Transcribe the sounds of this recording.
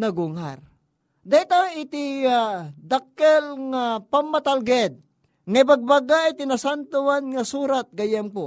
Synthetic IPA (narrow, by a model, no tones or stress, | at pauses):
nɐɡʊŋaɾ | d̪aɪt̪aɪt̪iad̪akːɛlŋapamːat̪alɡɛd̪̚ | ŋajbaɡ̚baɡajt̪ɪnasant̪owanŋasuːɾat̪̚ɡɐjɛmpo